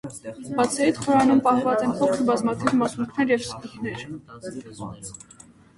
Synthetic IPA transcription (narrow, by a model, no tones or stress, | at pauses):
b̥ɑt͡sʰɛɾit̪χɔɾɑnumpɑhvɑt͡sɛnpɔkʰəɾbɑzmɑt̪ʰivmɑsuŋkʰnɛɾjɛvskut̪nɛɾ